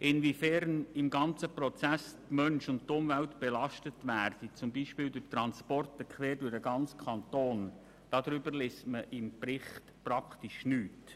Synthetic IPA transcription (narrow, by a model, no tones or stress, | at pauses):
ʔɪnvifɛɾnɪmɡɑnt͡səprɔt͡sæstmœnʃʊnttʊmvæltb̥ɛlɑʃtətʋæːɾd̥it͡sʊmbiːʃpɪːldʊtɾɑnspɔrtəkʰʋɛːɾdʊɾəɡɑnt͡skʰɑnt̪oːn | d̥ɑd̪ɾʏbəɾlestməʔɪmprɪχtpɾɑktiʃnyːt